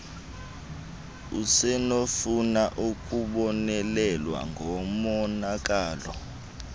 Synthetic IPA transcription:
usɛnofunaʔukʼuɓɔnɛlɛlwa̰ŋɡʱɔmɔnak̬ʼaːlɔ̰

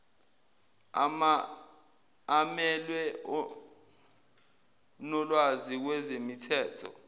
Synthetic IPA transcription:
amɛlwɛɔ | nɔlwazik̬wɛzemitʰɛːtʰɔ̰

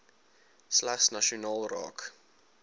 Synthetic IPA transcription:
slæχsnaʃionɑːlˠrɑ̰ːk

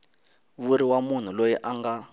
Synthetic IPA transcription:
βuɾiwamun̤ulojiʔaŋɡa

